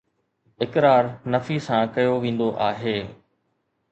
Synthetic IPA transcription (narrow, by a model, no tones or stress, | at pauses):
ɪkɾaːɾnɐfisãkɐjoʋẽːn̆d̪oʔaːɦeː